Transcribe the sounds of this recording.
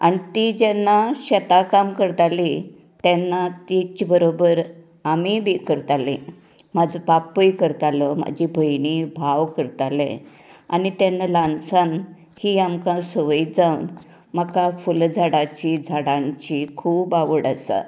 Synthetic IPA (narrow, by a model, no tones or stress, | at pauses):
a̰nit̪id͡ʑɛnːaɕət̪akamkəɾt̪ali | t̪ɛnːat̪it͡ɕbəɾobəɾ | amibʱikəɾt̪alḛ̃ | mad͡zʱpapəjkəɾt̪aləma̰d͡ʑʱibʱəjnibʱaʋkəɾt̪alḛ̃ | a̰nit̪enːalãnsan | hiːamkãsəʋəjd͡zawn | makafuld͡zʱaɽat͡ɕid͡zʱaɽãɲt͡ɕikʰuːbaʋəɽasa̰